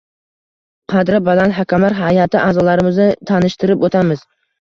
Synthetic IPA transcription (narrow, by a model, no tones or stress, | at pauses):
qʰɑd̪ɾɪbalanɦakʰʲamlaɾɦajat̪ʰɪʔaːzɒlaɾɪmɪznɪt̪ʰanɪʃt̪ʰɪɾɪpot̪ʰamɪz̥